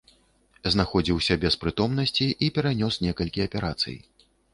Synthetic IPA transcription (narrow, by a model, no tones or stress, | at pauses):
znaxɔd͡zʲiwsʲabʲɛspɾɨt̪ɔmnɐsʲt͡sʲiʔipʲɛɾanʲɔsnʲɛkɐlʲkʲiɐpʲɛɾa̰t̪sɨ̰j